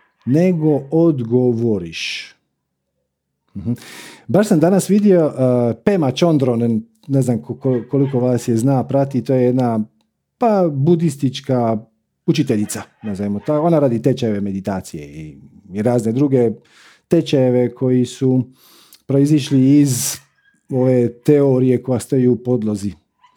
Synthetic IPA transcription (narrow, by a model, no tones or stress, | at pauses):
ne̞ɡood̪ɡoʋoɾiʃ | m̩h̩baʃsamd̪anasʋid̪io̞pemat͡ʃond̪ɾonn | neznamkokokoliko̞ʋaːsjeznaːpɾat̪it̪oːjejed̪na | pabud̪ist̪it͡ʃka | ut͡ʃit̪eʎit̪sanazaimot̪ao̞naɾaːd̪it̪et͡ʃajeʋeme̞d̪it̪aːt̪sijḛiiɾaːzne̞d̪ɾuɡe̞ | t̪e̞t͡ʃajeʋe̞kʰo̞jisu | pɾo̞iziʃliːz | o̞ʋet̪eoɾije̞ko̞jast̪ojuːpo̞d̪lˠozi